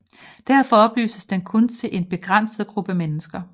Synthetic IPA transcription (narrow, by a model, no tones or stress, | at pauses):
d̥æɐfɒ̽ɒ̽b̥ly̰ːsəsd̥enkʰɔ̽nt͡sʰe̝lʔe̝nb̥e̝ɡ̥ʁan̰səð̩ˠɡ̥ʁub̥əæmenəsɡ̥ɐ